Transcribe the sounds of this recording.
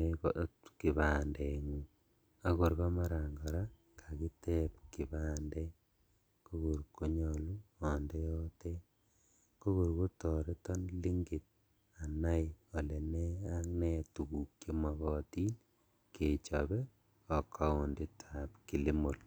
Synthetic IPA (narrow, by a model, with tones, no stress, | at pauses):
ki˨βa˨ndeŋu | a˦ko˨ɾβa˦ma˦ɾa˨ŋɡa˨ɾa˦ | kʰa˨ki˦te˦pki˨βaː˦nde˦ | ko˦ɣu˨ɾko˦ɲolu˦ɔ˨ndejo˦te˦ | ko˦ɣu˨ɾko˦tɔɾe˦tɔ˦nli˦ŋɡi˨t̚ | a˨na˦jɔ˨le˨ne˦a˦ŋne˦tu˨ku˨kjo˦maɣɔ˦ti˦n | ke˨t͡ʃɔβe˦ | ɔ˨kʰa˦o˨ndi˦tʰapki˨li˦mo˨l